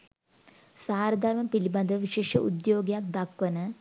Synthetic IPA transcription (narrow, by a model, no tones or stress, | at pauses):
saːɾɐd̪ʱɐɾmɐmpilibɐnd̪ʱɐʋɐʋiʃeːʂɐ̰ʔṵd̪joːɡjaːk̚d̪ɐkʋɐnɐ